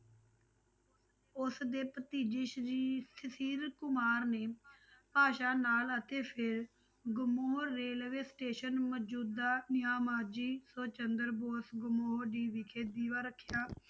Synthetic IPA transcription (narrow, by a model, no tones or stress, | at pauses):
ʊsd̪eːpət̪iːd͡ʒɪʃɾiːsəsiːɾkʊmaːɾneːpaːʃaːnaːlət̪eːpʰɪɾ | ɡʊmoːɦoɾːeːlʋeːsʈeːʃənməd͡ʒuːd̪ːaːnɪɦaːmaːɾd͡ʒiːsoːt͡ʃənd̪əɾboːsɡʊmoːoɖiːʋiːkʰeːd̪iːʋaːɾəkʰːjaː